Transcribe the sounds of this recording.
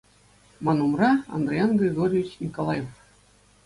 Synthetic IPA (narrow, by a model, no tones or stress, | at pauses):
mɑnumrɑɑ̰nd̪rʲejɑnɡʲrʲeɡoɾʲiʋʲit͡ɕnʲikolˠɑjef